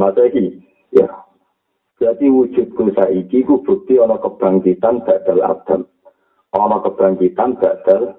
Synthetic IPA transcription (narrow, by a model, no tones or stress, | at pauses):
masaiki | ja̰ | d̥at̪iwud̥ʒ̥ʊ̤t̪̚ɡ̥osaikikub̥ṳt̪iɔnɔkəb̥ɾaŋkit̪anb̥a̤d̪̥a̤la̰d̪̥a̤l | ʔɔnɔkəb̥ɾaŋkit̪anb̥a̤d̪̥a̤l